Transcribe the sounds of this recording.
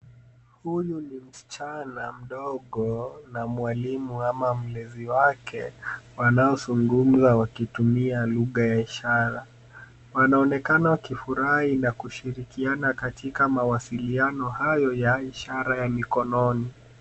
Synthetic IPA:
hujunim̩si̥t͡ʃanam̩ɗɔɠɔnamwalimuamam̩lɛziwakʰɛwanaɔzuŋɡum̩zawakitumialuɣajaiʃaɾa | wanaɔnɛkanawakifuɾahinakuʃiɾikianakatʰikamawasilianɔhajɔjaiʃaɾajamikɔnɔni

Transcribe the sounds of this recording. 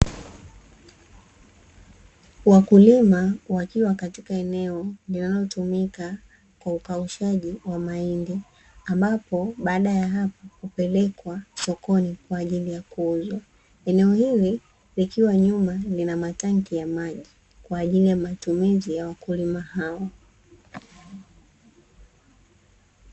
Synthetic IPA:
wakulimawakiwakatikaɛnɛɔlinalɔtumika | kwaukauʃaʄiwamaindi | ambapɔɓaːɗajaɦapahupɛlɛkwasɔkɔnikwaːʄilijakuuzwa | ɛnɛɔhili | likiwaɲumalinamataŋkijamaʄi | kwaːʄilijamatumizijawakulimahaɔ

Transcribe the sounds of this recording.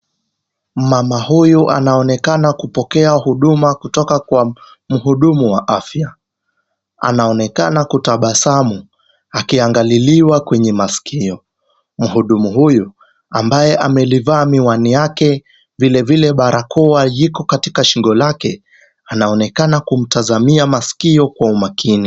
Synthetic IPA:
mamahujuʔa̰naɔnɛkanakupɔkɛahuɗumakutɔkakwa | m̩ɦuɗumuwaʔafja | a̰naɔnɛkanakutaɓasamu | akiaŋɡaliliwakwɛɲɛmaskʰiɔ | m̩ɦuɗumuɦuju | ambajɛʔamɛlivaːmiwanijakɛ | vilɛvilɛɓaɾakʰɔwajikɔkatikaʃiŋɡɔlakɛ | anaɔnɛkanakum̩tazamiamasi̥kiɔkwaumakʰini

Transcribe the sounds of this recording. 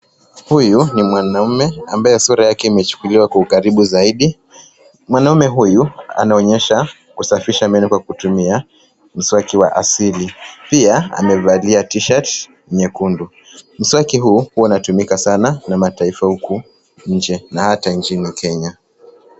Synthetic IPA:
hujunimwanaumɛambajɛsuɾajakɛimɛt͡ʃu̥kuliwakwaukaɾiɓuzaiɗi | mwanaumɛɦujua̰naɔɲɛʃa | kusafiʃamɛnɛkwakutumia | m̩swakiwa̰ʔasilipiaa̰mɛvaliatiʃat | ɲɛkundu | m̩swakiɦuːhuɔunatumikasananamataifahuku | ɲ̩d͡ʒɛnahataɲt͡ʃinikɛɲa

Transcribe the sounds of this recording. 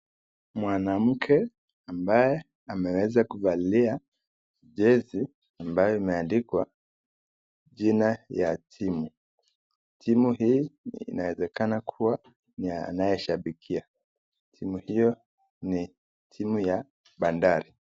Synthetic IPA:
mwanam̩kʰɛ | ambajɛ | amɛwɛzakuvalilia | ʄɛzi | ambajɔimɛandikwa | ʄinaja̰tʰimu | tʰimuhḭːnawɛzɛkanakʰuwa | nianajɛʃaɓikʰia | tʰimuhijɔ | ni | tʰimuja | ɓandaɾi

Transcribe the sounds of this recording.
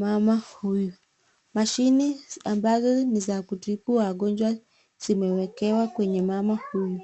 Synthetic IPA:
mamahujɔ | maʃiniambazɔnizakutikuaɡɔnd͡ʒwa | z̥imɛwɛkɛwakwɛɲɛmamahujɔ

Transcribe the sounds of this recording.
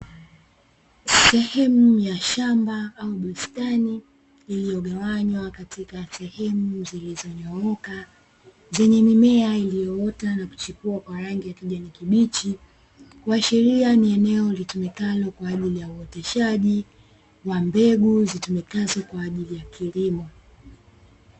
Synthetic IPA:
sɛhɛmujaʃambaauɓustaniː | lijɔɠawaɲwakatikasɛhɛmuzilizɔɲɔɔka | zɛɲɛmimɛailijɔɔtanaku̥t͡ʃikuakwaɾaŋɡijakiʄanikiɓit͡ʃi | kwaʃɛɾianiɛnɛɔlitumɛkalɔkwaːʄilijauɔtɛʃaʄi | wambɛɡuzitumɛkazɔkwaːʄilijakʰilimɔ

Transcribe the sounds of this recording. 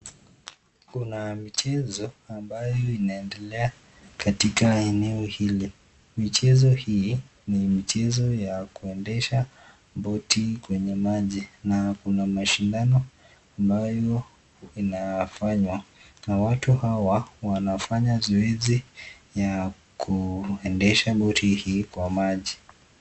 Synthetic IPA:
kunamit͡ʃɛzɔambajɔinaɛndɛlɛa | katikaɛnɛɔhili | mit͡ʃɛzɔhi | nimit͡ʃɛzɔjakuɛndɛʃa | bɔtikwɛɲɛmaʄinakunamaʃindanɔ | ambajɔ | inafaɲwanawatuhawawanafaɲazɔɛzi | ja | kʰuɛndɛʃaɓɔtʰihiːkwamaʄi

